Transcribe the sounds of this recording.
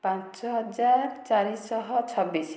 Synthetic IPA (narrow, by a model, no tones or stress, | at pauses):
pãsɔɦʌd͡ʒaɾt͡ʃaɾisʌɦɔt͡ʃʰʌbːis